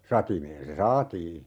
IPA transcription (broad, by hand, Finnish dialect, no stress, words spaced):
sɑtimeːn se sɑːtiː